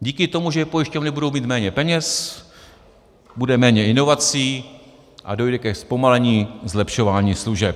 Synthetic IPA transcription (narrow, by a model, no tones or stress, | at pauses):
ɟiːkɪt̪o̞muʒɛjɛpo̞jɪʃcovnɪbudo̞wmiːt̪mɛːɲɛpɛɲɛs | budɛmɛːɲɛɪno̞vat͡siː | ʔado̞jdɛkɛspo̞malɛɲiːzlɛpʃo̞vaːɲiːsluʒɛp̚